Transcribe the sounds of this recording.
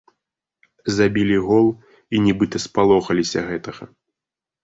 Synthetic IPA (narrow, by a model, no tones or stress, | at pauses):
zabʲilʲiɣɔlˠ | inʲɛbɨt̪ɐspalˠɔxɐlʲisʲɐɣɛt̪ɐɣɐ